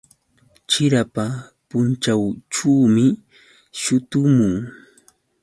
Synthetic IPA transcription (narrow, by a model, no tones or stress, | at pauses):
t͡ʃɪɾapapʊnt͡ʃawt͡ʃuːmɪ | ʃʊt̪ʊmʊŋ